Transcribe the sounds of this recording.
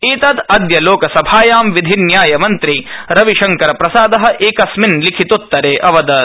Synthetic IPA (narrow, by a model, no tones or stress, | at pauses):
iːt̪ɐd̪ɐd̪jɐloːkɐsɐbʱaːjaːmʋid̪ʱinjaːjɐmɐnt̪ɾiɾɐʋiʃɐŋkɐɾɐpɾɐsaːd̪ɐɦɐ̆ʔeːkɐsminlikʰit̪ut̪ːɐɾeːʔɐʋɐd̪ɐ